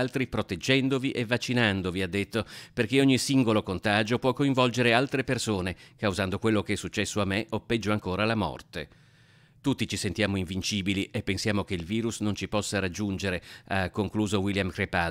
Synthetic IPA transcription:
lt̪ɾipɾot̪ed͡ʒːɛnd̪oviʔevːat͡ʃːinand̪oviad̪ːet̪ːoperk̟eoɲːisiŋɡolokont̪aːd͡ʒopwɔkːoiɱvɔld͡ʒeɾealt̪ɾepersoːnekawuzand̪okwelːokeɛsːut͡ʃːɛsːoamːeʔopːɛd͡ʒːoaŋkoːɾalamɔ̰rt̪e | t̪ut̪ːit͡ʃisent̪jaːmoiɱvint͡ʃiːbiliepːensjaːmokeilviːɾusnont͡ʃipɔsːaɾad͡ʒːund͡ʒeɾeakːoŋkluːzowiljamkɾepa

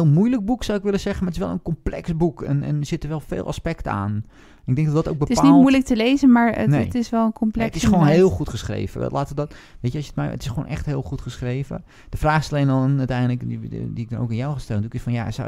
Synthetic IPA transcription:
lˠmujlək̚buksawɪkʋɪləsɛɣənmaətɪ̥sʋɛ̰lˠə̰nkomplɛksbukʰɛnɛ̰nəz̥ɪtərʋɛlˠfḛːlˠa̰spɛktəa̰ːn | ɪɡ̚dɛŋ̚dɔdɔto̰k̚bətɪspanilˠmujlək̚təleːzənmaːɹ̰nnetɪsʋɛlˠənkʰomplɛtɪsxəʋoːnɦeːlˠxutχəsχrḛːvə̰ʋɛ̰laːtədɔtʋejtjəɔsjətmɛ̰jə̰tɪsxəʋo̰ːnʔɛ̰xtɦɪːlˠxutχəsxreːvə̰ | d̥əfraːxɪsaleːnɔnœtɛjndələkidiɪk̚dɔno̰wkanjawxastɛlndukɪsfɔnja̰sa̰

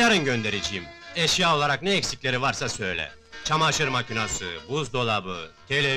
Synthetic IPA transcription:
aɾɯnɟønd̪e̞ɾed͡ʒijimeʃjao̞lˠaɾaknɛːcsiclʲe̞ɾivaɾsasø̞jlʲɛ̰ | t͡ʃʰamaʃɯɾmacʰinasɯ̰buzd̪o̞lˠabɯ̰t̪ʰelʲe

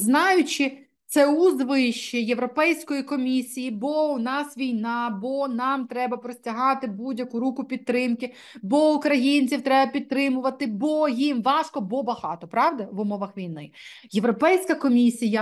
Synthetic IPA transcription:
znɑjʊt͡ʃɪ | t̪sɛuzd̪ʋɪʃt͡ʃːɪjeʋɾɔpɛjsʲkɔjikɔmʲisʲijibɔʊnɑsʋʲijnɑbɔnɑmt̪ɾɛbɐpɾɔsʲtʲɐɦɑt̪ɪbudʲjɐkʊɾukʊpʲid̪t̪ːɾɪmkɪ | bɔʊkɾɐjinʲt͡sʲiwt̪ɾɛbɐpʲid̪̚t̪ɾɪmʊʋɐt̪ɪbɔjimʋɑʃkɔbɔbɐhɑ̰t̪ɔpɾɑʋd̪ɐʋʊmɔʋɐxʋʲijnɪ̰ | jeʋɾɔpɛjsʲkɐkɔmʲisʲijɐ

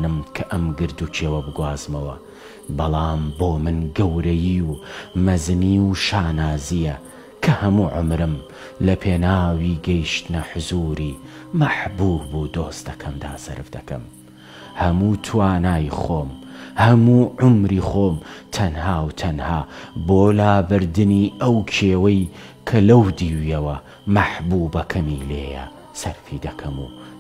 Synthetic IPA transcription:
nɨmkʰɐʔɐmɡɨɾd̪ut͡ʃʰeːwɐbɨɡwaːzmɐwɐ | bɐlˠɑːmboːmɨnɡɐwɾɐjiwmɐzniːʃaːnaːzijɐ | kʰɐhɐmuːʕʊmɾɨm | lɐpʰeːnaːwiːɡɐjʃt̪ɨnɐħʊzuːɾiː | mɐħbuːbud̪oːst̪d̪ɐkʰɐmd̪a̰ːsɐ̰ɾɨfd̪ɐkɐ̰m | hɐmuːt̪ʰwaːnaːjxoːmhɐmuːʕʊmɾiːχoːmt̪ʰɐnhaːwt̪ʰɐnhaːboːlaːbɨɾd̪ɨniːɐwt͡ʃʰeːwɐj | kʰɐlɐwd̪iːwijɐwɐ | mɐħbuːbɐkʰɐmiːle̞̰ːjɐ̰ | sɐɾfiːd̪ɐkʰɐmṵ

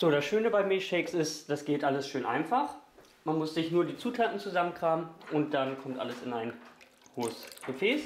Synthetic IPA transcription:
z̥oːɾasʃøːnəbaɪmiʃeːksɪstd̥asɡ̥eːtʔaləsʃøːnʔa̰ɪnfaχ | manmʊsz̥ɪçnuːɐdiːt͡suːtʰaːtn̩t͡suzamənkʁ̥aːməʔʊnt̚d̥ankʰɔmtʔa̰ləsɪnaɪn | hoːəsɡ̥əfɛːs

